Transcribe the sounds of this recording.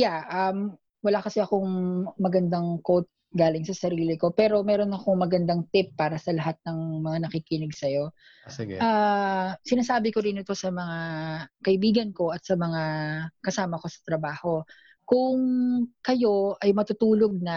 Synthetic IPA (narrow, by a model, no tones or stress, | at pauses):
jaʔam | wɐlakɐsɛɐkoŋmɐɡɐnd̪aŋkowt̪̚ | ɡaːlɪŋsɐsɐɾiːlɪko̞pɛːɾo̞mɛːɾo̞nɐko̞ŋmɐɡɐnd̪aŋt̪ɪpːaːɾɐsɐlɐɦat̪̚nɐŋmɐŋanɐkiːkɪnɪɡsɐjo̞ | sɡ̰ʔa | sɪnaːsaːbɪkoɾɪnɪt̪o̞sɐmɐŋakɐʔɪbiːɡɐnko̞ʔɐt̪̚sɐmɐŋakɐsaːmɐko̞sɐ̥t̪ɾɐbaːho̞ | kʊŋkɐjo̞ʔɐjmɐt̪ʊt̪uːlo̞ɡ̚nɐ